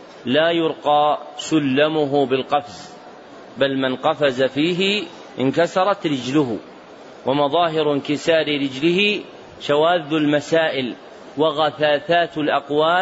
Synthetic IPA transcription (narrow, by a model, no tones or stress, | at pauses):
laːjʊɾqɑːsʊlːamʊɦʊbɪlqɑfz | balmanqɑfazafiːɦɪ | ʔɪnkasɑɾˤɑt̪ɾɪd͡ʒlʊɦʊ | wʔamɑðˤɑːɦɪɾɪnkɪsaːɾɪɾɪd͡ʒlɪhɪ | ʃawaːd̪ːʊlmasaːʔɪl | waɣaθaːθaːt̪ɪlʔɑqwaː